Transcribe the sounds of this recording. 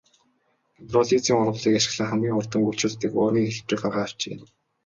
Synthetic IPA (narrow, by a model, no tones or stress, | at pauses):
p̪rɔɮit͡siːŋʊɾwə̆ɮiːkaʃɪ̥̆xɮə̆ŋχæmɡʲiːŋʊrt̪ə̆ŋɡɵwt͡ɕʰʊːt̪t̪ɘ̆kʊːr̆niːŋxeɮpt͡ɕɪ̆kɢarʁaːw̥t͡ɕeːn